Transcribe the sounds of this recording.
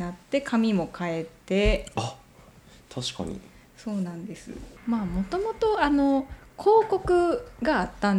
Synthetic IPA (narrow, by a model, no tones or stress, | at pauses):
nat̪ːe̞kʰamʲimo̞kʰae̞t̪ːe̞a | t̪ʰaɕi̥ka̰ɲ̟ḭ | so̞ːnãnd̪e̞sɨ̰maːmo̞t̪o̞mo̞t̪o̞ano̞kʰo̞ːko̞kɯ̟ɡaːt̪ːãn